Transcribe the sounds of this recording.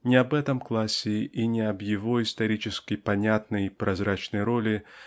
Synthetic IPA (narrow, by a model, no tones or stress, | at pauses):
nʲɪɐbɛt̪əmklˠasʲɪʔinʲɪɐbjɪvoist̪ɐɾʲit͡ʃɪskʲɪjpanʲat̪nəjpɾʔazɾat͡ʃnəjɾolʲi